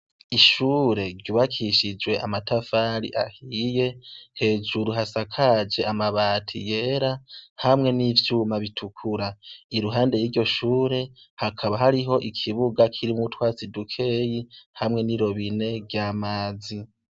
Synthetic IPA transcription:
iʃuːɾe̞ɾɟuβakʰiʃid͡ʒwe̞ʔamatafaːɾḭʔa̰hije̞he̞ːd͡ʒuɾuɦasakʰad͡ʒe̞amaβaːtʰḭje̞ːɾahamŋe̞niːvjuːmaβitʰukʰuɾaiɾuɦaːnde̞jiːɾɟo̞ʃuːɾe̞ | hakʰaβaɦaɾiɦo̞ʔikʰiβuɡakʰiɾimutwaːsidukʰe̞jihamŋe̞niɾo̞βine̞vjaːmaːzi

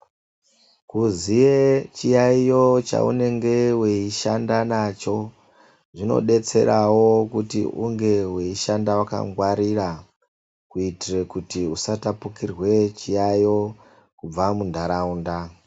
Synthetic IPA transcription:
kuziet͡ʃijaijo̞t͡ʃa̰ṵne̞ŋɡe̞weiʃandanat͡ʃo̞ | ʐino̞̰ɗe̞t͡se̞̰ɾawo̞kutḭʔṵŋɡe̞weiʃandawaka̰ŋɡwaɾira | kuitire̞kutiusatapukirwe̞t͡ʃijajo̞ | kub͡vamundʱaɾaunda

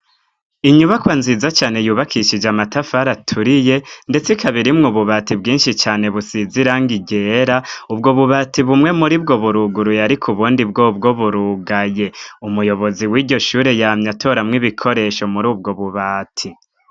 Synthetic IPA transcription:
iɲuβakwaːnzizat͡ʃaːne̞juːβakʰiʃid͡ʒamatafaɾatʰuɾije̞nde̞t͡sikaβiɾimŋuβuβatibɡiːnʃit͡ʃaːne̞βusiziɾaŋɡiɟe̞ːɾaubɡo̞βuβaːtʰiβumŋe̞muɾibɡo̞βuɾuɡuɾujaɾikʰuβuːndib̚ɡo̞ːbɡo̞βuɾuɡaje̞umujo̞βo̞ziwiːɟo̞ʃuːɾejamɲatʰo̞ɾamŋiβikʰo̞ɾe̞ʃo̞muɾuːb̚ɡoβuβaːtʰi

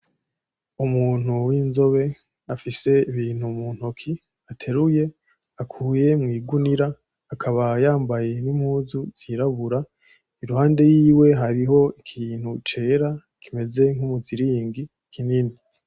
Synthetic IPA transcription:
umuːn̥huwiːnzo̞βe̞ | afise̞iβiːn̥humun̥hokʰi | atʰe̞ɾuje̞ | akʰuːje̞mŋiːɡuniɾaː | kʰaβajaːmbaje̞nimhuːzuz̥iːɾaβuɾa | iɾuhaːnde̞jiːwe̞ɦaɾiɦo̞ikʰiːn̥hut͡ʃe̞ɾa | kʰime̞ze̞ŋ̥umuziɾiːŋɡi | kʰinini

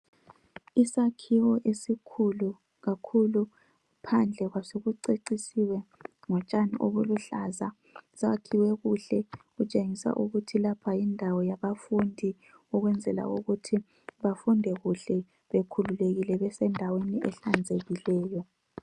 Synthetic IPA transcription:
isakʰiwɔʔesikʰulu | ɣakʰulu | pʰand͡ɮʱɛɣwasoɣuǀeǀisiwɛ | ŋɔt͡ʃʼaniʔo̰βuluɬaza | sakʰiwɛɣuɬɛɣut͡ʃʼeŋisa̰ʔuɣutʰilapʰajindʱawɔjaβafundʱi | ɔɣwɛnd͡zʱɛla̰ṵɣutʰi | βafundʱɛɣuɬɛ | βekʰululeɣilɛβɛsɛndʱaweniɛɬand͡zʱeɣilɛːjɔ

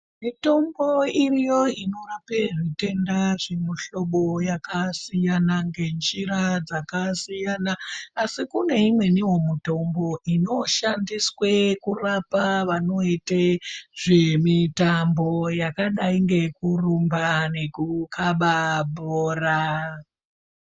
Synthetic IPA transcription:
mito̞mbo̞irijo̞ino̞rape̞ʐite̞ndaʐemiɬo̞ɓo̞jakasijanaŋɡe̞nd͡ʒiɾad͡zakasijanaːsikune̞imwe̞niwo̞muto̞mbo̞ʔino̞ʃandiswe̞kurapaʋano̞iteʐ̥e̞mitambo̞jakaɗaiŋɡe̞kurumbane̞kukʰaɓabʱoːra

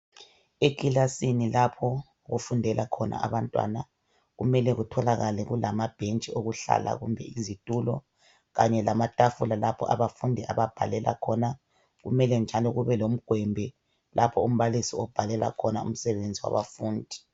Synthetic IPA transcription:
ekʼilasinilapʰɔ | ɣufundʱɛlakʰɔnʔa̰aβantʼwa̰na | ɣumɛlɛɣutʰɔlaɣalɛɣulamab̥ʱent͡ʃʼioɣuɬa̰la̰ɣumbʱɛizitʼulɔ̰ | ɣaɲɛlamatʼafulalapʰɔ̰ʔaβafundʱiaβab̥ʱalɛlʔa̰kʰɔna | ɣumɛlɛnd͡ʒʱalɔɣuβɛlom̩ɡ̥ʱwɛmbʱɛ | lʔapʰɔum̩βalisiɔb̥ʱalɛla̰kʰɔnaṵm̩sɛβend͡zʱiwa̰βafuːndʱi

